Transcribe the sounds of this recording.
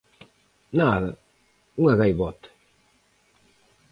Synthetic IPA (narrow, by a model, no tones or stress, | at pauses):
naðɐ | uŋaɣajβɔt̪